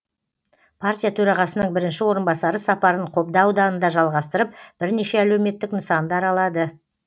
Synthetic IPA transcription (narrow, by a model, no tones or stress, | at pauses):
pʰaɾtʲijat̪ʰɵɾɑʁɑsənəɴbɪɾɪnʃɪwo̞ɾənbɑsɑɾəsɑpɑɾəɴqʰo̞p̚d̪ɑwd̪ɑnənd̪ɑʒɑlˠʁɑst̪əɾəp̚b̥ɪɾneʃe̞ælewme̞t̪ːɪknəsɑnd̪əɑɾɑlˠɑd̪ə